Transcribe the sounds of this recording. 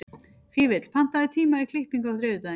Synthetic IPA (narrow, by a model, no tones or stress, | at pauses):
fiːvɪt̪l̥pʰan̥t̪aðɪt̪ʰiːmaikʰlɪhpiŋkawθɾɪːðʏt̪að